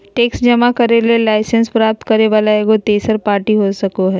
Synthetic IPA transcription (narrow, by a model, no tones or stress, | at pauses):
ʈeksd͡ʒəmakəɾelelaɪsenspɾap̚t̪kəɾeʋaːlaeɡot̪eːsəɾpaːɾʈiɦosəkoɦɛː